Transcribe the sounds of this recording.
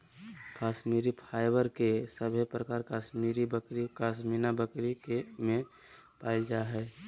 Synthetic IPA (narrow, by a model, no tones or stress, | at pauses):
kaːsmiɾipʰaːɪbəɾkesəbʱepɾəkaːɾkasmiɾibəkɾikaːsminabəkɾikemẽpaːɪld͡ʒaɦɛː